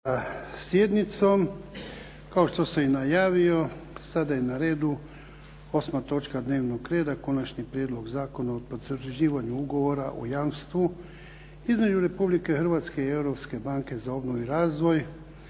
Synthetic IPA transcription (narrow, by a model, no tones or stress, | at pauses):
asje̞d̪nit̪so̞m | kao̞ʃt̪o̞seinajaːʋio̞sad̪ajenaɾe̞ːd̪u | osmat̪o̞t͡ʃkad̪ne̞ːʋnoɡɾe̞ːd̪ako̞nat͡ʃnipɾjed̪lo̞ɡzaːko̞naopozrʒiːʋaɲuuɡoʋo̞ɾaʔṵjaːmst̪ʋu | izme̞d͡ʒuɾe̞publike̞xr̩ʋaːt̪ske̞ie̞wɾo̞pske̞baŋke̞zao̞bnoʋuiɾaːzʋo̞j